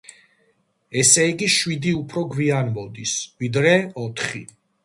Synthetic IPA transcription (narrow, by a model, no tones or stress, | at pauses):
ɛsɛiɡiʃwid̪iupʰɾɔɡwianmɔd̪isvid̪ɾɛɔt̪ʰχi